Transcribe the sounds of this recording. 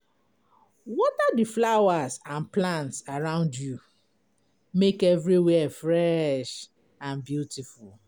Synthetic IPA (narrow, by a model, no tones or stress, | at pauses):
wɔtadiflawasãnplãntsaɹãʊ̃ndju | mekɛvɹiwɛfɹɛʃ | ãnbjutiful